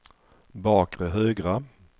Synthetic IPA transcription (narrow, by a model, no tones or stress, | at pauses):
bɑːkɾəɦøːɡɾa